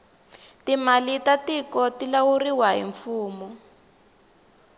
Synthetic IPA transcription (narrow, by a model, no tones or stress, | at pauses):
timalitatikɔtilauriwaɦḭɱfuːmɔ